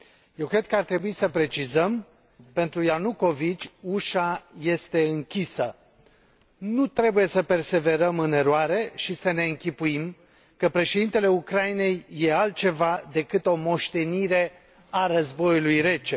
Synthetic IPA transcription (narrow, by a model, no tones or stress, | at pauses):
je̞wkɾe̞d̪̥̚kəart̪ɾe̞buisəpɾe̞t͡ʃizəm | pe̞nt̪ɾujanuko̞vit͡ʃʲuʃaje̞st̪e̞ɨŋkʲisə | nut̪ɾe̞buje̞səpe̞rse̞ve̞ɾəmɨne̞ɾoaɾe̞ʃisəne̞ɨŋkʲipuim | kəpɾe̞ʃe̞d̪int̪e̞le̞ukɾaine̞jːe̞alt̪̚t͡ʃe̞vad̪e̞kɨt̪o̞mo̞ʃt̪e̞niɾe̞ | aɾəzbo̞julujre̞t͡ʃe